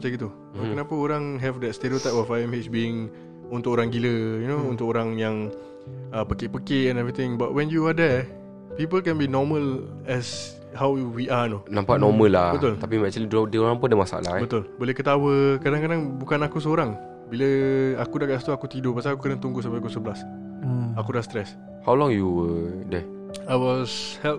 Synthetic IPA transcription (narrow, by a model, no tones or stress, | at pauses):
ət͡ʃaɡit̪u | okənãpəoɾaŋɦɛvdɛt̚st̪eɾiot̪ajpɔfajɛmet͡ʃbiɪŋ | unt̪ʊkoɾaŋɡiləjunount̪ʊkoɾaŋjaŋ | əpəkɪʔpəkeʔɛ̃nɛvɾit̪ɪ̃ŋba̰ʔ̚wɛ̃njuadɛ | pipəlkɛ̃nbinɔməl | ɛs | hawwiʔanonãmpaʔnɔmə̃lːabət̪ʊlt̪apimɛk̚t͡ʃuliddəoɾaŋpʊndəmasa̰ʔla̰bət̪ʊlbolɛhkət̪awəkadaŋkadaŋbukanakus̬əoɾaŋ | biləakudakaʔst̪uakut̪idopasaːkukənat̪uŋɡusampakusəbəlas | akudast̪ɾɛs | hawlɔŋjuwədɛ | ajwɔshɛlp̚